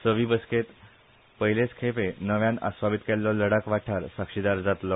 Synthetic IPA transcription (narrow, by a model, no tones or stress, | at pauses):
səʋiːbəsket̪ | pəɦjlet͡skʰepenəʋjãna̰sʋabit̪kelːɔləɽakʋaʈʰaɾsakʂid̪aɾd͡zat̪lɔ